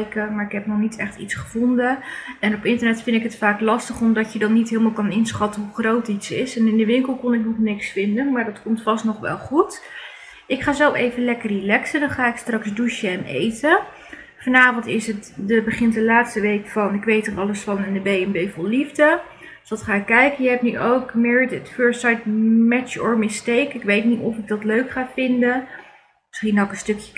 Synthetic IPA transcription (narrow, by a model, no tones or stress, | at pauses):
jkəmaːɹɪkɦɛpnɔχnitʰɛχtḭtsχəv̥ɔndəɛnɔpɪntərnɛtfɪndɪkɦətfaːklɑstəχɔmdɑcjədɑnːitɦɪːlˠmalˠkɑnɪnsχɑtənɦuχrowtitsɪsɛnɪndəʋɪŋkəlˠkɔnɪknɔχnɪksfɪndənmaːɹdɑtkɔmtfɑstnɔχʋɛ̰lˠχut | ɪkχaːzɛlˠfejvənlɛkərilɛksədɑnχaːɪkstrɑksduʃəɛnḛjtə | fɑnaːvɔntɪsətdəbəχɪntdəlaːtstəʋejkfɑnɪkʋejtərɑləsfɑnɪndəbejɛmbejvɔlˠlivdə | sdɑtχaːɪkːɛjkənjəɦɛp̚nyʔowkmɪːɹdətføɹssajtmɛt͡ʃəɔ̰ɹmɪstejkɪkʋejtnitɔfɪɡ̚dɑtløɥkχaːvɪndə | mɪsχinɔwkənstɵkjə̥